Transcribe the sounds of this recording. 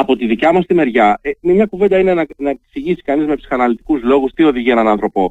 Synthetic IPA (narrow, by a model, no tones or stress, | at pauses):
ɐpo̞t̪iðicɐmɐst̪ime̞ɾʝɐememɲɐkuve̞nd̪ɐinenɐnɐeksiʝisi̥kɐnizme̞psi̥xɐnɐlit̪i̥kuzlo̞ɣust̪io̞ðiʝie̞nɐnɐnθɾo̞po̞